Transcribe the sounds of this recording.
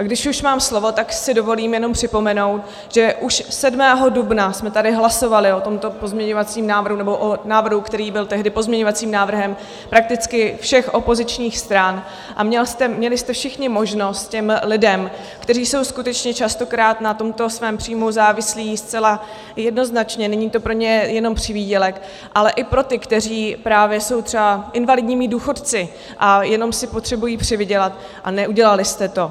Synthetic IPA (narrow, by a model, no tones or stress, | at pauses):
ɡdɪʃuʃmaːmslo̞vo̞t̪aksɪdovo̞liːmjɛno̞mpr̝̥ɪpo̞mɛno̞wt̪ | ʒ̥ɛʔuʃsɛdmɛːɦo̞dubnasmɛt̪adɪɦlaso̞valɪʔo̞t̪o̞mt̪o̞po̞zmɲɛɲo̞vat͡siːmnaːvr̩ɦunɛbo̞ʔonaːvr̩ɦukt̪ɛɾiːbɪlt̪ɛɦdɪpo̞zmɲɛɲo̞vat͡siːmnaːvr̩ɦɛm | pɾak̚t̪ɪt͡skɪfʃɛxʔo̞po̞zɪt͡ʃɲiːxst̪ɾan | ʔa̰mɲɛlst̪ɛmɲɛlɪst̪ɛfʃɪxɲɪmo̞ʒno̞st̪̚cɛmlɪdɛm | kt̪ɛriːso̞wskut̪ɛt͡ʃɲɛt͡ʃast̪o̞kɾaːt̪nat̪o̞mt̪o̞svɛːmpr̥iːmuzaːvɪsliːst͡sɛla | jɛdno̞znat͡ʃɲɛnɛɲiːt̪o̞pɾo̞ɲɛjɛno̞mpr̝̥ɪviːɟɛlɛk | ʔalɛʔɪpɾo̞t̪ɪkt̪ɛriːpɾaːvjɛso̞wt̪r̥ɛbaʔɪnvalɪdɲiːmɪduːxo̞t̪t͡sɪ | ʔajɛno̞msɪpot̪r̝̥ɛbujiːpr̝̥ɪvɪɟɛlat̪ | ʔa̰nɛʔuɟɛlalɪst̪ɛt̪o̞